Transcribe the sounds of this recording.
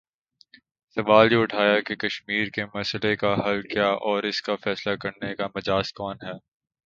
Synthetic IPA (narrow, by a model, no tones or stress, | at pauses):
sɐʋaːljeʊʈʰaːjakekɐʃmiːɾkemɐslekaɦɐlkjaːʔɔːɾɪskafɛːslakɐɾnekamɐd͡ʒaːskɔːnɦɛː